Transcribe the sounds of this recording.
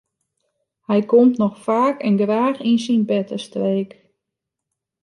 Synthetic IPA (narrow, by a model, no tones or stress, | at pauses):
hɛjkomtnɔxfaːkɛnɡraːxinsinbɛtʰəstreːk